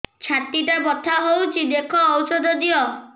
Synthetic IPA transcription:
t͡ʃʰat̪iʈabɔt̪ʰaɦowt͡ʃʰid̪ekʰɔːwsɔd̪ʱɔd̪iɔ

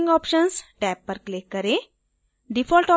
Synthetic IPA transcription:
ŋɡɔːpʃənsʈɛːpːəɾklekːəɾe | ɖifʰɔlʈɔ

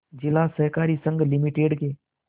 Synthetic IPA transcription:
d͡ʒɪlasəɦkaːɾisə̃ŋɡlɪmiʈeːɖkeː

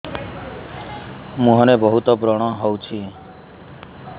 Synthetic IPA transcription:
mũɦɔnebɔɦut̪ɔbɾɔɽ̃ɔɦowt͡ʃʰi

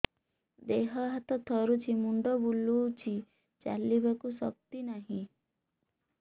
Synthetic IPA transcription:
d̪eɦɔɦat̪ɔt̪ʰɔɾut͡ʃʰimuɳɖɔbulːut͡ʃʰi | t͡ʃa̰libakusɔ̰k̚t̪inaɦĩ

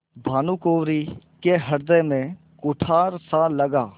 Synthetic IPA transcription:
bʱaːnuːkoːʋɾiːkeɦɐɾd̪emẽ | kʊʈʰaːɾsaːlːəɡaː

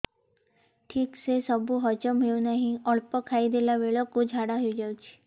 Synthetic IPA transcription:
ʈʰiːksesəbuɦɔt͡ʃəmeɭũnaɦĩɔɭpɔkʰaid̪elaʋeɭɔkod͡ʒʱaɽaɦjud͡ʒaut͡ʃʰi̥

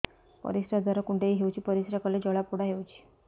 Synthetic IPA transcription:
pə̰ɾisɾjad͡z̪ʱəɾakuɳʈeɦiɦewt͡ɕiːpəɾiɕɾjakəled͡ʑəɭapuɽ̤aɦewt͡ɕi̥ː

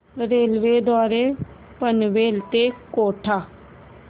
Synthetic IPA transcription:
ɾeːlʋeːd̪ɔːɾeː | pənʋeːlt̪eːkoːʈʰaː

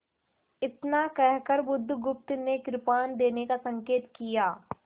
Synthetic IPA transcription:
ɪt̪nakɛɦkəɾbʊd̪ʱːɡʊp̚t̪nekɾɪpaːnd̪eːnekasɐ̃ŋkeːt̪kijaː

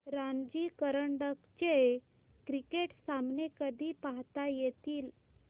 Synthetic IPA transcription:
ɾand͡ʑikəɾəɳɖəkt͡ɕe | kɾikeʈsamnekəd̪ʱiːpaɦt̪ajet̪iːl

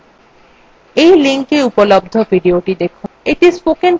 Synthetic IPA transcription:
ejliŋkeupolob̚d̪ʱobʱiɖioʈid̪ekʰuneʈispoken

